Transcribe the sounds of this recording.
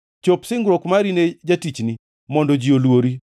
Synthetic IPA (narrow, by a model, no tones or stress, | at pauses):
t͡ʃopsɪŋɡɾokmaɾined͡ʒatit͡ʃni | mɔndɔd͡ʒiolwoɾi